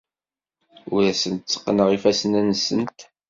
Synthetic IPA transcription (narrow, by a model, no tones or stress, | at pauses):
ʊɾæsənt̪t͡sːə̥qːnəʁifæsənænːsənt̪